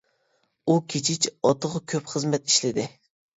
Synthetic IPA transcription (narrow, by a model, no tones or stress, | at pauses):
ukʲʰet͡ʃʰit͡ʃɑt̪ʰəʁɑkʲʰøpχəzmɛt̪iʃlɪd̪ɪ